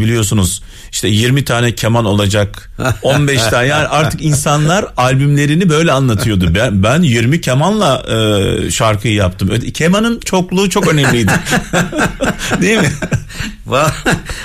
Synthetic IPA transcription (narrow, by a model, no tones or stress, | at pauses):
bilʲijo̞sunuz̥ | iʃt̪ʰɛjiɾmit̪ʰaːnɛcʰemano̞lˠad͡ʒak | o̞nbɛʃt̪ʰanjaːniʔaɾt̪ʰɯkinsanlˠaɾalʲbymlʲe̞ɾinibø̞jlʲɛanlˠat̪ʰɯjo̞d̪ubbænjiɾmicʰemanlˠaɯʃaɾkʰɯjjap̚t̪ʰɯmø̰cʰemanɯnt͡ʃʰo̞klˠuːt͡ʃʰo̞kø̞nɛmlʲijd̪ɪ | d̪ejimɪ | va